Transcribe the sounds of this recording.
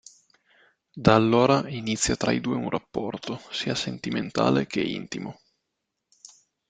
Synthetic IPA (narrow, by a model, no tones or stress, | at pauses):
d̪aːlːoːɾainit̪sːjat̪ɾaid̪uːeunrʔapːɔrt̪osiːasent̪iment̪a̰ːlekʰeḭnt̪imo